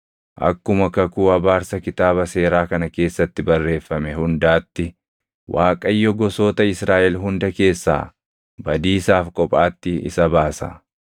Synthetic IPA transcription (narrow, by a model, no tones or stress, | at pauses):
ʔɐ̰kːʊmɐkɐkuːɐbaːɾsɐkɪt̪aːbɐse̞ːɾaːkɐnɐke̞ːsːɐt̪ːɪbɐrːe̞ːfːɐmɛɦʊnd̪aːt̪ːɪ | wʔaːkʼɐjːɔɡɔsoːt̪ɐɪsɾaːʔɛlɦʊnd̪ɐke̞ːsːa̰ː | bɐd̪iːsaːfkʼɔpʼaːt̪ːɪɪ̰sɐbaːsɐ̰